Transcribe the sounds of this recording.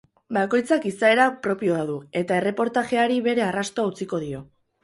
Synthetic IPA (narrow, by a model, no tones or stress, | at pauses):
bako̞jt͡sakisae̞ɾapɾo̞pio̞aðue̞t̪ae̞re̞po̞ɾt̪aʝe̞aɾiβe̞ɾe̞arast̪oaut͡siko̞ð̞io̞